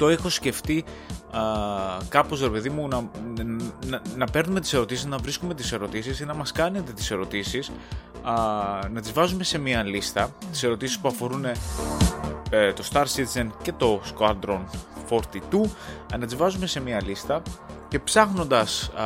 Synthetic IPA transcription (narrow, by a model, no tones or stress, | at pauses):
t̪o̞e̞xo̞sce̞ft̪i | kɐpo̞zɾe̞pe̞ðimunɐ | nnɐpe̞ɾnume̞t̪i̥se̞ɾo̞t̪isiznɐvɾiskume̞t̪i̥se̞ɾo̞t̪isisinɐmɐskɐne̞t̪e̞t̪i̥se̞ɾo̞t̪isis | nɐt̪izvɐzume̞se̞miɐlist̪ɐt̪i̥se̞ɾo̞t̪isi̥spuɐfo̞ɾune̞ | t̪o̞st̪ɐɾsit̪zence̞t̪o̞skɐd̪ɾo̞nfo̞ɾt̪it̪unɐt̪izvɐzume̞se̞miɐlist̪ɐce̞psɐxno̞nd̪ɐs